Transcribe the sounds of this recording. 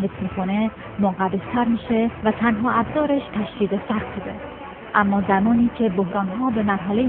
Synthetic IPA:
ɦesmiːkʰone̞ | moɢædest̪ʰæɾmiːʃe̞væt̪ʰænɦɒːæbzɒːɾeʃt̪ʰæʃd̪iːd̪esæxt̪bud̪e | ʔæmːɒːzæmɒːniːcʰe̞bohɾɒːnɦɒːbe̞mæɾɦæle

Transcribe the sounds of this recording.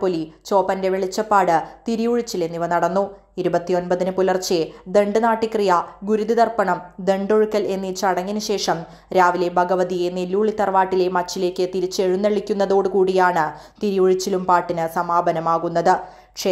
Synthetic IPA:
polit͡ɕo̞ːpɐnde̞ʋeɭit͡ɕːɐpːaːɽɨt̪iɾijuɻit͡ɕːile̞nːiʋɐnɐɽɐnːu | iɾubɐt̪ːio̞nbɐðinɨpulɐrt͡ɕːed̪e̞ɳɖɨnaːʈːikrijɐɡuɾuðid̪ɐrpɐɳɐmd̪e̞ɳɖo̞ɻukːɐle̞nːit͡ɕɐɽɐŋːinɨɕe̞ːʂɐm | ɾaːʋile̞bʱɐɡɐʋɐðijenelːuːɭit̪ːɐrʋaːʈːile̞mɐt͡ɕːile̞ːkːɨt̪iɾit͡ɕːeɻunːeɭikʲːunːɐðo̞ːɽɨkuːɽijaːɳɨ | t̪iɾijuɻit͡ɕːilumpaːʈːinɨsɐmaːbʱɐnɐmaːɣunːɐðɨ | kʂe

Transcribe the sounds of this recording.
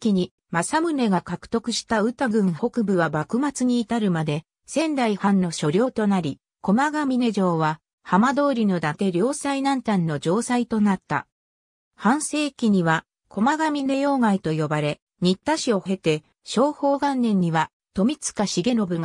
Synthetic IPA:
kʲiɲ̟i | masamɯ̟ne̞ɡakakɯ̟̥t̪o̞kɯ̟ɕi̥t̪aɯ̟t̪aɡɯ̟̃ɰ̃ho̞kɯ̟bɯ̟βabakɯ̟mat͡sɨɲ̟iːt̪aɾɯ̟mad̪e̞ | sẽ̞nd̪aihãnːo̞ɕo̞ɾʲo̞ːt̪o̞naɾʲi | ko̞maɡamʲine̞ʑo̞ːβa | hamad̪o̞ːɾʲino̞d̪at̪e̞ɾʲo̞ːsainãnt̪ãnːo̞d͡ʑo̞ːsait̪o̞nat̪ːa̰ | hãɰ̃se̞ːkʲiɲ̟iβa | kʰo̞maɡamʲine̞jo̞ːŋait̪o̞jo̞baɾe̞ | ɲ̟it̪ːaɕio̞he̞t̪e̞ | ɕo̞ːho̞ːɡãnːẽ̞ɲ̟ːiβa | t̪o̞mʲit͡sɨ̥kaɕiɡe̞ɾo̞bɯ̟ŋ

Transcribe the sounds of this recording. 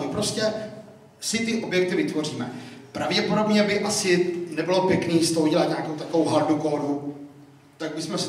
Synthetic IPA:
mɪpɾoscɛ | sɪt̪ɪʔo̞bjɛk̚t̪ɪvɪt̪vo̞r̝iːmɛpɾavɟɛpo̞do̞bɲɛbɪʔasɪnɛbɪlopjɛkniːst̪oɦoɟɛlat̪ɲaːkowt̪akovowɦaɾdukoːdu | t̪aɡ̚bɪsmɛs

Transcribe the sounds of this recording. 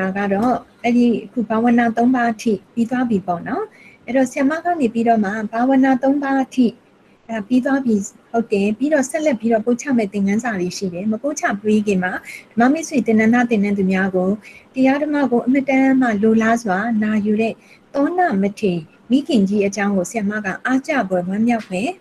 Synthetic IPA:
aɡaɾɔʔɛɾiʔəkʰṵbawə̃nat̪õʊ̃mbaʔtʰḭpit̪wabjipɔ̰nɔʔɛɾɔsɪjãmaɡanepiɾɔm̥abawə̃nat̪õʊ̃mbaʔtʰḭ | apit̪wabji | hoʊtːɛ̃piɾɔsɛʔlɛpːjiɾɔpot͡ɕʰa̰mɛ̰t̪ɪ̃ŋɡãnzaðeʃḭɾɛməpot͡ɕʰa̰pweɡɪ̃m̥ad̥əma̰mɪswĩt̪ɪ̃nãnd̪at̪ɪ̃nãnd̪umjaɡotəjaɾəmä̰ɡoʔəmətãm̥alolazwanajuɾɛ̰ | t̪ɔnamətʰe | miɡɪ̃ɲd͡ʑiʔət͡ɕãʊ̃ŋɡosɪjamä̰ɡä̰ʔat͡ɕa̰bwɛwãmjaʊpːɛ

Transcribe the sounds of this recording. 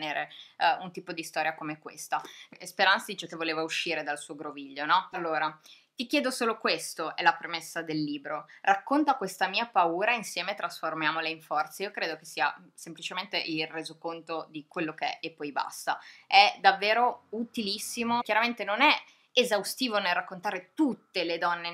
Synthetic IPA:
neːɾeunt̪iːpod̪ist̪ɔːɾjakomeɛkwḛst̪aespeɾant̪sad̪iːt͡ʃekevːoleːvauʃːiːɾed̪alsuːoɡɾoviʎːonɔalːoːɾa | t̪ikjɛːd̪osoːlokwest̪oʔɛlapɾemesːad̪elːiːbɾorakːont̪akwest̪amiːapauːɾainsjɛːmet̪ɾasformjaːmoleiɱfɔrt̪saiːokɾeːd̪okesːiːa̰semplit͡ʃement̪eʔilreːzokont̪od̪ikwelːokeɛ̰epːɔjba̰st̪aɛd̪avːeːɾout̪ilisːimokjaɾament̪enonɛ | ezawst̪iːvonelrakːont̪aːɾet̪ut̪ːeled̪ɔnːe

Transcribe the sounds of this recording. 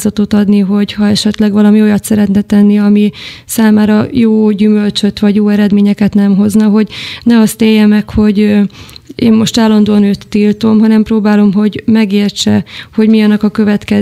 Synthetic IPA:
zɒt̪ot̪ɒd̪niɦo̞ɟhɒɛʃɛt̪lɛɡʋɒlɒmio̞jɒt̪sɛɾɛt̪nɛt̪ɛnːiɒmisaːmaːɾɒjoːɟymø̞lt͡ʃø̞t̪ʋɒɟjoːɛɾɛd̪meːɲɛkɛt̪nɛmɦo̞znɒɦo̞ɟnɛɒst̪eːjːɛmɛkho̞ɟ | ḛːmːo̞ʃt̪aːlːɒnd̪oːɒnøːt̪ːilt̪o̞mɦɒnɛmproːbaːlo̞mɦo̞ɟmɛɡeːrt͡ʃɛho̞ɟmiɒnːɒkɒkø̞vɛt̪kɛ

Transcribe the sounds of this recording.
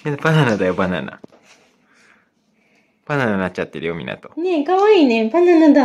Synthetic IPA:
jepananad̪ajobana̰na̰ | panananat͡ɕat̪ːeɾejomʲḭna̰t̪o̥nekaβaiːnepananad̪a

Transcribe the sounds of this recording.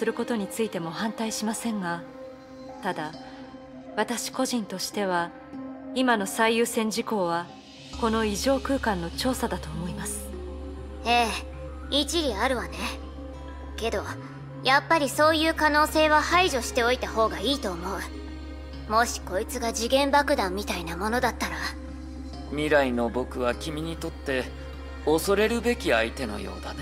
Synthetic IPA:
sɨɾɯ̟ko̞t̪o̞ɲ̟it͡sɨit̪e̞mo̞hãnt̪aiɕimasẽ̞ŋɡa | t̪ad̪a | βat̪aɕi̥ko̞ʑĩnt̪o̞ɕi̥t̪e̞β̞a | imano̞saijɯːsẽ̞ɲ̟d͡ʑiko̞ːβ̞a | ko̞no̞iʑo̞ːkɯ̟ːkãnːo̞t͡ɕo̞ːsad̪at̪o̞ːmo̞imasɨ̥ | e̞ː | it͡ɕiɾʲiaɾɯ̟βane̞ | ke̞d̪o̞ | japːaɾʲiso̞ːjɯ̟ːkano̞ːse̞ːβahaiʑo̞ɕi̥t̪e̞o̞it̪aho̞ːɡaiːt̪o̞ːmo̞ɯ̟ | mo̞ɕi̥ko̞it͡sɨɡaʑiɡẽ̞mbakɯ̟d̪ãmːʲit̪ainamo̞no̞d̪at̪ːaɾa | mʲiɾaino̞bo̞kɯ̟βakʲimʲiɲ̟it̪o̞t̪ːe̞ | oso̞ɾe̞ɾɯ̟be̞kʲiait̪e̞no̞̰jo̞̰ːd̪a

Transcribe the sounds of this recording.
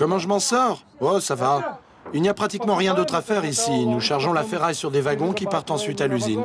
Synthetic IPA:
kɔmɑ̃ʒəmɑ̃sɔʁ | osava | ilnijapχat̪ikmɑ̃ʁjɛ̃d̪ot̪χafɛʁisinuʃaʁʒɔ̃lafɛʁajsyʁd̪evaɡɔ̃kʲipaʁt̪ɑ̃sɥit̪alyzin

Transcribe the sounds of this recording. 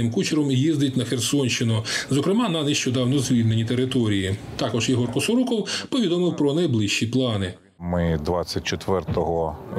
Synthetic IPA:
ɪmkut͡ʃɪɾɔmjizd̪ɪtʲnɐxersɔnʲʃt͡ʃɪnʊzɔkɾemɑnɐneʃt͡ʃɔd̪ɑwnɔzʋʲid̪ʲne̞nʲit̪e̞ɾɪt̪ɔɾʲijit̪ɑkɔʒjiɦɔrkɔsɔɾukɔwpɔʋʲid̪ɔmɪwpɾɔnɐjblˠɪʃt͡ʃiplˠɑnɪ | mɪd̪ʋɑt͡sʲːɐt̚ʲt͡ʃet̪ʋɛrt̪ɔɦɔ

